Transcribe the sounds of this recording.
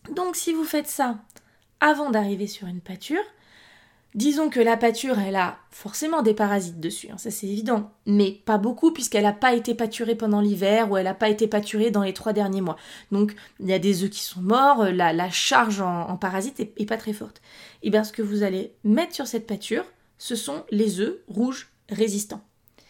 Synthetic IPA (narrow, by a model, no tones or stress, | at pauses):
d̪ɔ̃ksivufɛt̪sa | avɑ̃d̪aʁivesyʁynpat̪ʰyːʁ | d̪izɔ̃kəlapat̪yʁɛla | fɔʁsemɑ̃d̪epaʁazit̪̚d̪əsy̰ɛ̰̃sasɛt̪evid̪ɑ̃mɛpabokupɥiskɛlapaet̪epat̪yʁepɑ̃d̪ɑ̃livɛʁuɛlapaet̪epat̪ʰyʁed̪ɑ̃let̪χwad̪ɛʁnjemwad̪̥ɔ̃kiljad̪ezøkʲi̥sɔ̃mɔʁølalaʃaʁʒɑ̃ɑ̰̃paʁazit̪ɛɛpat̪χɛfɔʁt̪ebjɛ̃sə̥kəvuzalemɛt̪χsyʁsɛt̪̚pat̪ʰyːʁ | səsɔ̃lezøʁuʒ | ʁezist̪ɑ̃